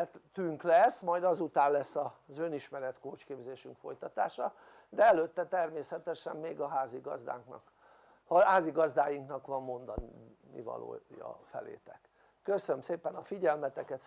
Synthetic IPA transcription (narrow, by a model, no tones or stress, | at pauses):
ɛt̪t̪yŋklɛsːmɒjd̪ɒzut̪aːnlɛsːɒzøniʃmɛɾɛt̪koːt͡ʃkeːbzeːʃyŋkfo̞̰jt̪ɒt̪a̰ːʃɒ | d̪ɛɛløt̪ːɛt̪ɛrmeːsɛt̪ɛʃɛ̰mmeːɡɒɦaːziɡɒ̰zd̪a̰ːŋknɒ̰k | hɦaːziɡɒzd̪aːjiŋknɒkʋɒmːo̞nd̪ɒn | nḭvɒ̰lo̰ːjɒ̰fɛ̰lḛːt̪ɛkː | øsønømseːpɛnɒfiɟɛlmɛt̪ɛkɛt̪